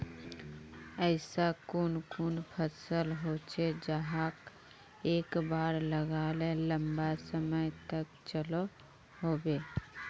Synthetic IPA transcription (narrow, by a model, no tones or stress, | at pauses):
ɛːsakʊːnkuːnpʰəsəlɦoːt͡ʃed͡ʒaɦaːk | eːkbaːɾləɡaːleləmbasəməjt̪əkt͡ʃəlo | ɦoːbeː